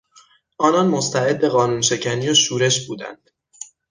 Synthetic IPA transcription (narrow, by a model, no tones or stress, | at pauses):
ʔɒːnɒnmost̪ʰæe̞d̪̚be̞ɣɒːnuːnʃe̞cʰæniːjoʃuːɾe̞ʃbuːd̪æ̰nd̪̥